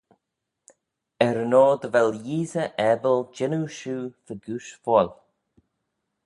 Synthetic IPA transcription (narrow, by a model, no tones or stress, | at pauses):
ɛɾənoːd̪əvɛljiːzəʔɛbəld͡ʒɪnuʃuːfəɡuːʃfɔl